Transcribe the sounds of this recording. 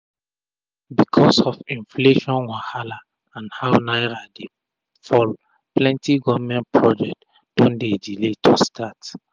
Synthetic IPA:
bikʰɔsɔfĩnfleʃɔ̃nwahala | ãnhawnaɪɹade | fɔl | plɛ̃ntʰiɡɔvmɛ̃nt̚pʰɹɔd͡ʒɛk̚t | d̥ɔ̃ndediletʰustʰat

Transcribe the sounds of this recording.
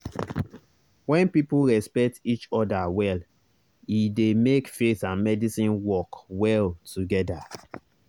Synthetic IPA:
wɛ̃npipulɹɛspɛk̚tit͡ʃɔdawɛl | idemekfesãnmɛdisĩnwɔkwɛltuɡɛda

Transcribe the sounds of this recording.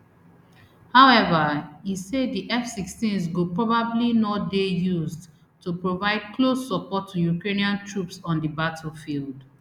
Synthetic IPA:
haʊɛvəiseddiʔɛfsikstĩnsɡopɹɔbablinɔdejuzd | tupɹovaɪd̚kʰlosːɔpɔtʰːujukɹeniãntʰɹupsɔ̃ndibatʰfild

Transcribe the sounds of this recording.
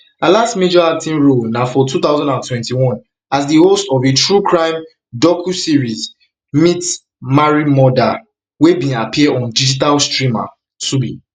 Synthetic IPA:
alastmed͡ʒɔak̚tĩnɹolnafɔtʰuθaʊzãndãntwɛ̃ntiwɔ̃n | asdihostɔvetʰɹukʰɹãɪ̃m | dɔkʰusiɹiz | mit | maɹimɔda | webĩapʰiɛɔ̃ndid͡ʒitalstɹĩma̰ | subḭ̃

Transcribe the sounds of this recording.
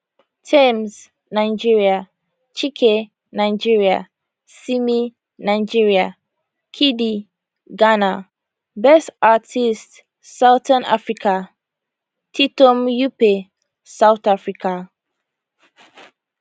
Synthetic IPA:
tʰɛ̃ms | nãɪd͡ʒiɹia | t͡ʃʰikʰe | nãɪd͡ʒiɹia̰ | simi | nãd͡ʒiɹia | kʰidi | ɡana | bɛstatʰist | sawtʰãna̰fɹikʰa | tʰitomjupe | sawt̪afɹikʰa

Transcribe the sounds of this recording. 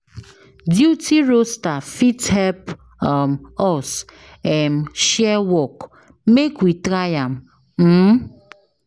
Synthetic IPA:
djutʰiɾostafithɛp | mɔs | ɛm̩ʃɛwɔk | mekwitɾajam̩ | m̩

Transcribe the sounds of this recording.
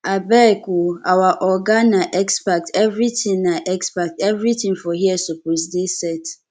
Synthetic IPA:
abɛkuawaʔɔɡãnːãʔɛkspak̚tɛvɾitʰĩŋnãʔɛkspak̚tɛvɾitʰĩŋfɔɦiɛsopʰos̬desɛt

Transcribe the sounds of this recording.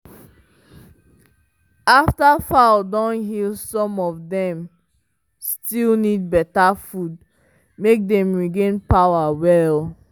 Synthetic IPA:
aftafaldɔ̃nɦilˠsɔ̃mɔvdɛ̃m | stilnid̚bɛtafud̚ | mek̚dɛ̃mɹiɡẽnpaʊawɛl

